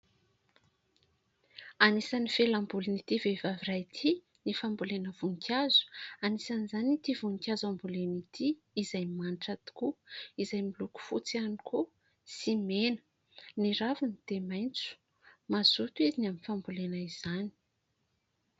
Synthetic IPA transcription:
anisanifelambulinit̪ivevavirajt̪ʰi | nifambulenəv̥uŋkʰʲazu̥anisanizanit̪ivuŋkʲazambulenit̪ʰiː | zajmaɳʈ͡ʂat̪i̥kuizajmiluku̥fut͡sianikʰu | simenə̥ | niɾavunid̪emajnt͡su̥ | mazut̪uezinaminfambulenaiz̥ani̥

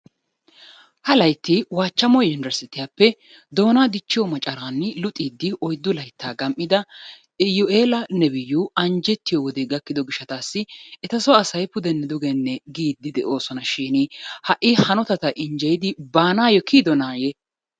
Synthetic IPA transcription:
hɐlɐjt̪ːɪwaːt͡ʃːɐmɔjʊndɐɾsɪt̪ɪjapːɛ | d̪o̞ːnaːd̪ɪt͡ʃːɪjɔmɐt͡ʃʼɐɾaːnːɪlʊt̪ʼiːd̪ːɪʔɔjd̪ːʊlɐjt̪ːaːɡɐmʔɪd̪ɐ | ɪjʊʔeːlɐnɛbɪjːuːɐnd͡ʒɛt̪ːɪjɔwɔd̪eɡɐkːɪd̪ɔɡɪʃːɐt̪aːsːɪɛt̪ɐsɔɐsɐjpʊd̪ɛnːɛd̪ʊɡɛnːɛɡiːd̪ːɪd̪ɛʔo̞ːsɔnɐʃiːnɪhɐʔɪhɐnɔt̪ɐt̪ɐʔɪnd͡ʒɛjɪd̪ɪbaːnaːjɔkʰiːd̪ɔnaːje

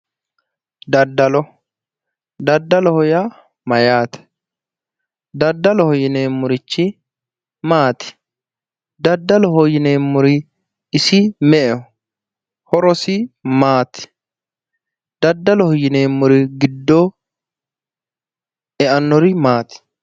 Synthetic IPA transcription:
d̪ɐd̪ːɐlɔ | d̪ɐd̪ːɐlɔhɔja | mɐjaːt̪ɛ̥ | d̪ɐd̪ːɐlɔhɔjɪneːmːʊɾɪt͡ʃːɪ | maːt̪ɪ̥ | d̪ɐd̪ːɐlɔɦɔjɪneːmːʊɾɪ | ɪsɪmɛʔɛ | hɔɾɔsɪmaːt̪ɪ̥ | d̪ɐd̪ːɐlɔhɔjːɪneːmːʊɾɪɡɪd̪ːɔ | ɛʔɐnːɔɾɪmaːt̪ɪ̥

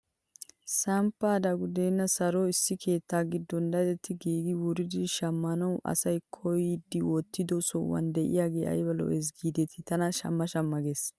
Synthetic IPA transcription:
sɐmpːaːd̪ɐɡʊd̪eːnːɐsɐɾɔɪsːɪkʰe̞ːt̪ːaːɡɪd̪ːɔnd̪ɐd̪ɛt̪ːɪɡiːɡɪwʊɾɪd̪ɪʃɐmːɐnɐwʔɐ̰sɐjkʰɔjd̪ɪwɔt̪ːɪd̪ɔsɔwɐ̰nd̪ɛʔɪ̰jaːɡeːʔɐ̰jbɐlɔ̰ʔɛsɡiːd̪ɛt̪ʰɪt̪ɐnɐʃɐ̰mːɐʃɐmːɐɡes

